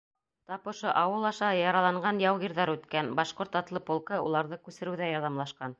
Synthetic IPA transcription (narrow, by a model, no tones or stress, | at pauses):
t̪ɑpŏʃoʔɑwɤlˠɑʃɑjɑɾɑlˠɑɴɢɑnjɑwʁiɾðɑɾʉt̪kænbɑʃqoɾt̪ɑt̪lˠɤpŏlˠkɤulˠɑɾðɤkʉsɘ̆ɾɘ̆wðæjɑɾðɑmlˠɑʃqɑn